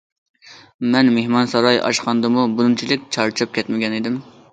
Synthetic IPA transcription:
mɛnmehmɑnsɑɾɑjɑ̰ʃqʰɑnd̪ɨmubunɨmt͡ʃʰilɪkʲt͡ʃʰɑɾt͡ʃʰɑp̚kʲʰɛt̪mɪɡʲɛnid̪ɪm

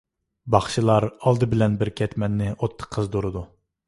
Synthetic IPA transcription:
bɑχʃilˠɑɾɑlˠd̪ɨbɪlɛnbɪɾkʲʰɛt̪mɛnːɪʔot̪ʰːə̥qʰːəzd̪oɾɨd̪u

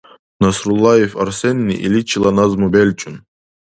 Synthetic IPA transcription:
nɐsɾulˠːajefɐɾsenʲːḭʔḭlʲit͡ʃʰʼilˠanazmubelʲt͡ʃʼun

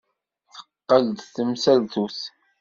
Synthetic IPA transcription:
θə̥qːəld̪θəmsælt̪uθ

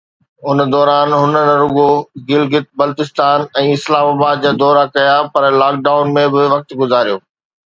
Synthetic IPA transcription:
ʊnd̪ɔːɾaːnɦʊnənɾʊɡoɡɪlɡɪt̪̚bɐlt̪ɪst̪aːnɛ̃ːɪslaːmaːbaːd̪̚d͡ʑaːd̪ɔːɾakɐjapɐɾlaːk̚ɖaːʊnmẽbɪʋɐk̚t̪ɡʊzaːɾijoː

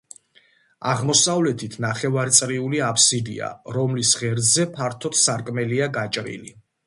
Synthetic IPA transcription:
aʁmɔsavlɛt̪ʰit̪ʰnaχɛvaɾt̪sʼɾiuliapʰsid̪ḭa̰ɾɔmlisʁɛɾd̪zɛpʰaɾt̪ʰɔt̪ʰsaɾkʼmɛliaɡat͡ʃʼɾḭli

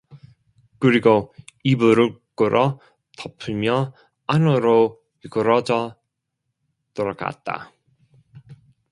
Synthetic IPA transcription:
kɯɾiɡoibɯɾɯɭk͈ɯɾʔʌ | tʌpʰɯmjʌ | anɯɾo | ikɯɾʌd͡ʑʌ | t͈oɾʌka̰t̚t͈a̰

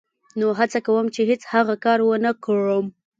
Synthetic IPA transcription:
noɦat͡sakawəmt͡ʃeɦet͡shaɣakɑɾwənəkɻəm

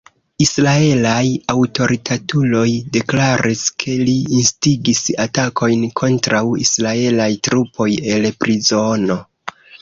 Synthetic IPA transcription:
isɾae̞lajawto̞ɾʔitʰatulo̞jde̞klaɾʔiskʰe̞liːnstiɡisatakʰo̞jnkʰo̞ntɾawḭsɾae̞lajtɾupʰo̞je̞lpɾizo̞no̞

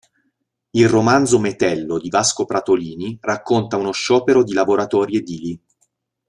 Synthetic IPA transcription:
ilromand̪zomet̪ɛlːod̪ivaskopɾat̪oliːnirakːont̪aunoʃːɔːpeɾod̪ilavoɾat̪ɔːɾjed̪ili

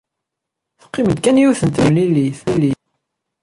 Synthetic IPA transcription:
θə̥qːɪməd̪kænjuθənt̪əmlilːiθilːi

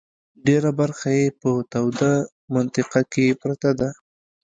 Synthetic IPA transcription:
ɖeɾabaɾxajepət̪awd̪a | mant̪ɪqakepɾat̪ad̪a

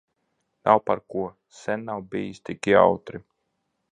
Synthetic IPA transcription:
nawpaɾkuɔ | sɛnːawbijisʲt̪ikʲia̰wt̪ɾi

